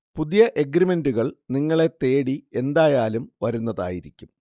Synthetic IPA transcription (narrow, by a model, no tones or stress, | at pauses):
puðijɐʔe̞ɡrime̞nduɣɐɭniŋːɐɭe̞t̪e̞ːɽie̞nd̪aːjaːlumʋɐɾunːɐða̰ːjiɾikʲːum